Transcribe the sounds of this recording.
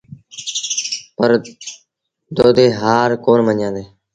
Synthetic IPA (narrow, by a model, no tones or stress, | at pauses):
pəɾ | d̪oːd̪eːɦaːɾkoːɾməɲjãːnd̪eː